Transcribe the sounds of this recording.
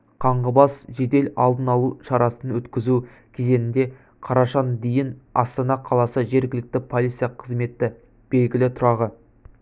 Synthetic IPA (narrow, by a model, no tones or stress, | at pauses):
qʰɑɴʁəbɑsʒe̞d̪e̞lɑ̰lˠd̪ənɑlˠuʃɑɾɑsənwɵt̪kʲɪzu | kʲʰeze̞nɪnd̪e̞ | qʰɑɾɑʃɑnd̪ejɪnɑst̪ɑnɑqʰɑlˠɑsəʒe̞ɾɡʲɪlɪk̚t̪ɪpʰo̞lˠijt̪sijɑqʰəzme̞t̪ːɪ | b̥e̞lɡʲɪlɪt̪ʰʊɾɑʁə